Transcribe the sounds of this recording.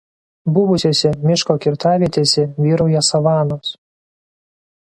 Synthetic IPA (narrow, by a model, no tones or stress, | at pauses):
bʊʋʊsʲoːsʲɛmʲɪʃkokʲɪɾt̪ɑːʋʲiɛt̪ʲeːsʲɛʋʲiːɾɔʊjɛsɐʋɑːnoːs